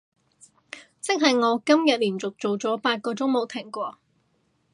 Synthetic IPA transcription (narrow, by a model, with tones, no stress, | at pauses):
t͡sɪ˥k̚ɦɐ˨jŋɔː˨˧kɐ˥mjɐ˨t̚liː˨˩nt͡sʊ˨k̚t͡so˨wt͡sɔː˨˥paː˧t̚kɔː˧t͡sʊ˥ŋmo˨˧wt̪ʰɪ˨˩ŋkʷɔː˧